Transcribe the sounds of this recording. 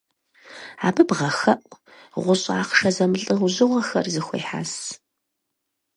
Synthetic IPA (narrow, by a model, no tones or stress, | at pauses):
aːbɨbʁɐxɐʔʷʼ | ʁʷʊɕʼa̰ːqʂɐzɐmɨɬʼɨʁʷʊʑɨʁʷɐxɐrzɨxʷḛjħa̰ːs